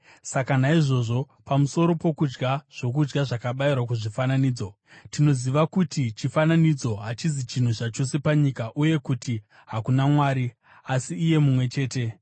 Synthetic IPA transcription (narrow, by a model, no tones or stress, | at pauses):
sakanaiʐo̞ʐo̞ | pamuso̞ɾo̞po̞kud͡ʒɡaʐ̥o̞k̬ud͡ʒɡaʐakaɓairwak̬uʐifananiːd͡zo | tino̞ziʋakutit͡ʃifananid͡zo̞ɦat͡ʃizit͡ʃin̤ut͡ʃat͡ʃo̞se̞paɲikaʔuje̞kuti | ɦakunamwaːɾi | asiːje̞mumwe̞t͡ʃe̞ːte̞